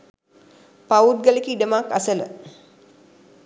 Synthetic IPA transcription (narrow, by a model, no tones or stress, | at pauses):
paut̚ɡəlikəiɖəmakasələ̰